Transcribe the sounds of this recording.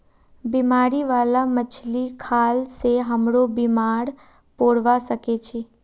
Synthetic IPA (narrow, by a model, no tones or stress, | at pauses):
bimaɾiʋalamət͡ʃʰlikʰalseɦəmɽobimaɽ | poɽʋaʃəket͡ʃʰe